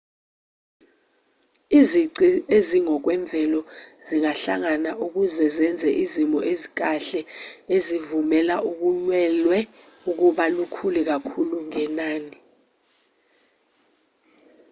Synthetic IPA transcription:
iziǀieziŋɔk̬wɛɱb̪vʱɛlɔz̥iŋaɬa̰ŋanaʔuk̬uzɛzɛnd͡zʱɛʔizimɔʔezik̬aɬɛezivumɛlaʔuk̬ulwɛlwɛ | uk̬uɓalukʰulik̬akʰuluŋɛnaːni

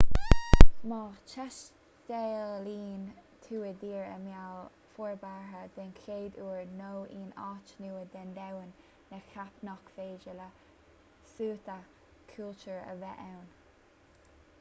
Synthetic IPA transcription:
mɑːt͡ʃʰɛʃ | d̪̥ɛːliːn | t̪ʰuːəd̪iːɹə̰mjawl | fuɹbaɦəd̪̥ɛnkʰeːd̪uːɹnoːiːnɑːt͡ʃnuːəd̪ɛnd̪ɛwənː | əkʰapnɔkfeːd͡ʒələ | suːt̪ə | kʰult͡ʃuɹə̰vɛʔɛwn

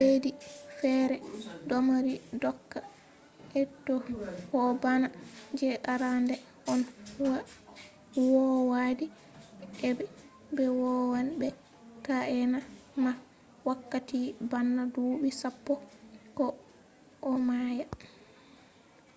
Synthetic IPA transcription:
ledifɛːɾɛdɔmaɾidɔkːa | ɛtɔhɔbanad͡ʒɛʔaɾandɛ | ʔɔnwa | wɔwadi | ɛbɛ | bɛwɔwanbɛ | kaʔɛnama | wakːatibanːaduːɓisapːɔkɔ | ʔːmaja

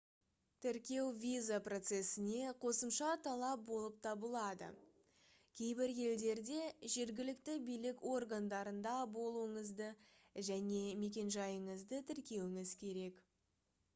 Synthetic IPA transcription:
t̪ʰɪɾkʲe̞wvʲizapro̞t̪se̞sɪne̞qʰo̞səmʃɑt̪ʰɑlˠɑp̚bo̞lˠəp̚t̪ʰɑbəlˠɑd̪ə̰ | kʲʰe̞jbɪɾje̞ld̪e̞ɾd̪e̞ʒe̞ɾɡʲɪlɪkt̪ɪbijlɪko̞rɡand̪ɑɾənd̪ɑbo̞lˠuəɴəzd̪əʒæne̞me̞kʲe̞nʒɑjəɴəzd̪ət̪ʰɪɾkʲe̞wɪŋɪzkʲʰe̞ɾe̞k

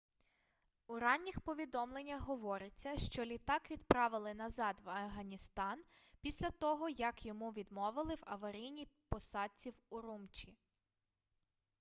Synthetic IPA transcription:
uɾɑnʲːixpɔʋʲid̪ɔmlˠe̞nʲːɐxɦɔʋɔɾɪt͡sʲːɐʃt͡ʃɔlʲit̪ɑkʋʲid̪pɾɑʋɪlˠɪnɐzɑd̪ʋɐfɦɐnʲist̪ɑnpʲisʲlʲɐt̪ɔɦɔjɐkjɔmuʋʲid̪mɔʋɪlˠɪwɐʋɐɾʲijnʲipɔsɑt͡sʲiwuɾumt͡ʃʲi

